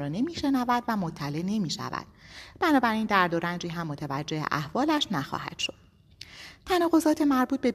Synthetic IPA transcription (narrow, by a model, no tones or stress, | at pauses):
ɒːne̞miːʃe̞nævæd̪væmot̪ʰːæle̞ʔne̞miːʃæ̰væ̰d̪̥̚b̥ænɒːbæɾiːnd̪æɾd̪oɾænd͡ʒiːɦæmːot̪ʰevæd͡ʒːe̞hḛʔæhvɒːlæʃnæxɒ̰ːhæ̰d̪̥ʃo̞d̪̥ | t̪ʰænɒːɣo̞zɒːt̪ʰe̞mæɾbuːt̪̚be̞